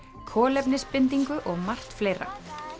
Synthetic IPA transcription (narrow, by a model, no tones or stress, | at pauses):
kʰɔːlɛpnɪspɪnt̪̬iŋkʏʔɔɣmar̥t̪fleːjɾa̰